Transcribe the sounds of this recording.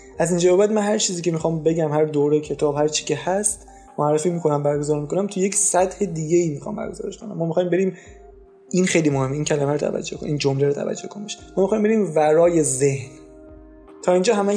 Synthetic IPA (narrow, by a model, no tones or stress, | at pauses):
ʔæzind͡ʒɒːbebæd̪̚mænɦæɾt͡ʃʰiːziːcʰe̞mixɒːmbe̞ɟæmhæɾd̪oːɾejcʰe̞t̪ʰɒːbhæɾt͡ʃʰi̥ːcʰe̞hæst̪ | moærːefiːmiːkʰo̞næmbæɾɡozɒːɾmiko̞næmt̪ʰuje̞csæd̪he̞d̪iːɡeiːmiːxɒ̰ːmbæ̰ɾɡozɒ̰ːɾeʃkʰo̞næ̰mːɒːmixɒːjimbe̞ɾiːm | ʔinxejlimohemːeiːncʰælæmæɾot̪ʰæ̰væ̰d͡ʒːokʰo̰niːnd͡ʒomleɾot̪ʰæ̰væ̰d͡ʒːokʰonbeʃmɒːmixɒːjimbeɾiːmvæɾɒːjezehn | t̪ʰɒːind͡ʒɒːɦæmæ